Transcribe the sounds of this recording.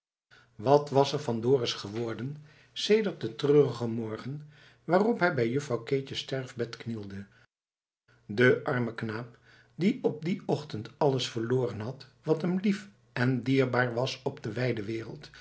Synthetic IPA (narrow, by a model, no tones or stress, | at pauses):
ʋɑtʋɑsɛɹvɑndʊːrɪsχəʋɔɹdən | sejdəɹt̚dətrøːrəχəmɔɹχən | ʋaːrɔpɦɛjbɛjɵfrɑwkeːt͡ʃəstɛɹvbɛtknilˠdə | dəʔɑɹməknaːp̚ | diɔp̚diɔχtəntɑləsfəɹloːrənɦɑtʋɑtɦəmlif | ʔɛndiːɹbaːɹʋɑsɔbdəʋɛjdəʋɪːrə̰lˠt